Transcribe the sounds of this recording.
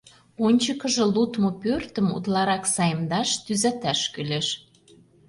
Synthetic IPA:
onʲt͡ɕə̆kə̆ʒɤ̆lut̪mŏpørt̪ə̆mṵt̪lɑɾɑksɑjə̆md̪ɑʃt̪yzæt̪æʃkyleʃ

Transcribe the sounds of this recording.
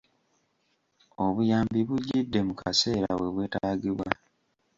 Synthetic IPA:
oβujaːmbiβuɟidːe̞mukʰase̞ːɾa̰we̞βwe̞ːtaːɡiβwa

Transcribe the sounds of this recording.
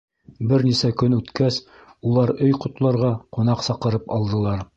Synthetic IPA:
bɘɾnisækɵnʉt̪kæs | ulˠɑɾɵjqŏt̪lˠɑɾʁɑqŏnɑqsɑqɤ̆ɾɤpɑlˠd̪ɤ̆lˠɑɾ

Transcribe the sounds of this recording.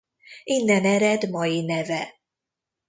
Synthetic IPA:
inːɛnɛɾɛd̪mɒjinɛvɛ

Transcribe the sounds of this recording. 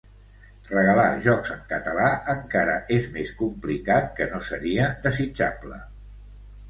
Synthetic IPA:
rəɣəla̰ʒɔkzəŋkət̪əlaəŋkaɾə̰ʔezmeskumplikat̪̚kənosəɾiəd̪əzid͡ʒa̰blə̰

